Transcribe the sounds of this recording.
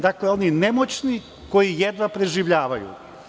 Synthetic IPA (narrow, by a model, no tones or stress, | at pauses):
d̪akleo̞ninemo̞t͡ɕni | ko̞jijed̪napɾe̞ʒiʋʎaːʋajṵ